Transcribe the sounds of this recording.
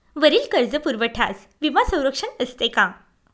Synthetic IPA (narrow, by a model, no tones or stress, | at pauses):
ʋəɾiːlkəɾd͡zəpuɾʋəʈʰas | ʋimasə̃w̃ɾəkʂənəst̪ekã